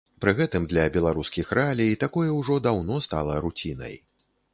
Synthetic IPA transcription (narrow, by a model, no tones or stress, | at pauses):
pɾɨɣɛt̪ɨmd̪lʲɐbʲɛlˠaɾuskʲixɾɛalʲijt̪akɔjɛwʐɔd̪awnɔst̪alˠɐɾut͡sʲinɐ̰j